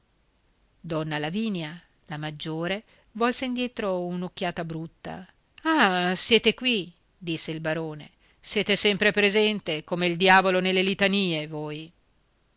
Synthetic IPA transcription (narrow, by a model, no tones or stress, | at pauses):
d̪ɔnːalaviːnja | lamad͡ʒːoːɾe | vɔlseind̪jɛːt̪ɾounokːjaːt̪abɾut̪ːa̰ | asjɛːt̪ekwi | d̪isːeilbaɾoːnḛ | sjɛːt̪esɛmpɾepɾezɛnt̪ekomeild̪jaːvolonelːelit̪aniːevoːj